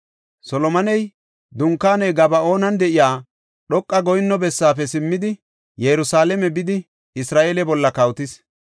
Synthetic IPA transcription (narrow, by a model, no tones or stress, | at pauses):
sɔlɔmɐnɛj | d̪ʊŋkːaːnɛjɡɐbɐo̞ːnɐnd̪ɛʔɪjaː | ɗɔkʼːɐɡɔjɪnːɔbɛsːaːfɛsɪmːɪd̪ɪ | jɛɾʊsaːlɛmɛbɪd̪ɪ | ɪsɾaːʔeːlɛbɔlːɐkɐwt̪ɪs